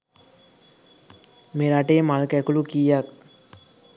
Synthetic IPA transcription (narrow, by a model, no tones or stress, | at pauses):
meɾaʈejmalkɛkulukijjak̚